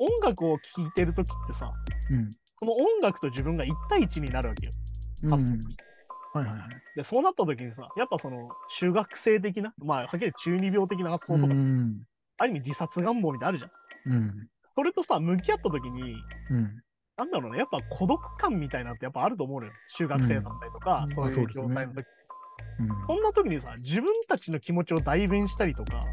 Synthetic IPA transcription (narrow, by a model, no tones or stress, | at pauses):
õ̞ŋɡakɯ̟o̞kʲʰiːt̪e̞ɾɯ̟t̪o̞kʲi̥t̪ːe̞sa̰ | so̞no̞õ̞ŋɡakɯ̟̥t̪o̞ʑibɯ̟̃ŋɡait̪ːaiːt͡ɕiɲ̟inaɾɯ̟βake̞jo̰hasoi | hajhajad̪e̞so̞ːnat̪ːat̪o̞kʲiɲ̟isa̰japːaso̞no̞ɕɨːɡakɯ̟̥se̞ːt̪̬e̞k̬ʲinamahak̬ʲet͡ɕɨːɲʲibʲo̞ːt̪̬e̞k̬ʲinahasːo̞ːoka | aɾɯ̟ɲimʲid͡ʑisat͡sɨɡãmboːmʲit̪anaɾ̟d͡ʑã | so̞ɾe̞t̪o̞samɯ̟k̬ʲiat̪ːat̪̬o̞kʲiɲ̟i | nãnd̪aɾo̞ːnajapːakʰo̞d̪o̞kɯ̟̥kãmːʲit̪ainant̪ːejapːaːɾɯ̟t̪oːmo̞ɯ̃nejɕɨːɡakɯ̟se̞ːsãnt̪aɾit̪o̞kaso̞ːjɯːo̞ːt̪ainot̪o̞kʲi̥i | sõ̞nːat̪o̞kʲiɲ̟isa̰d͡ʑibɯ̟̃nt̪at͡ɕino̞kʲimo̞t͡ɕio̞d̪aiβẽɰ̃ɕi̥t̪aɾʲit̪o̞ka̰